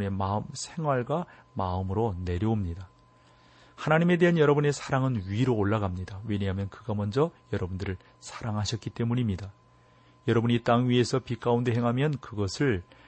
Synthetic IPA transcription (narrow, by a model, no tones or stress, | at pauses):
e̞maɯmsʰe̞ŋɦwaɭɡwa | maɯmɯɾone̞ɾjʌomɲida | hanaɲime̞de̞ɦanjʌɾʌbune̞sʰaɾaŋɯnɥiɾoːɭːaɡamɲidawe̞ɲɦamjʌnkɯɡamʌnd͡ʑʌjʌɾʌbundɯɾɯɭ | sʰḁɾaŋɦaɕʰʌk̚k͈it͈e̞muɲimɲida | jʌɾʌbuɲit͈aŋɥie̞sʰʌpik͈aunde̞ɦe̞ŋɦamjʌnkɯɡʌsʰɯɭ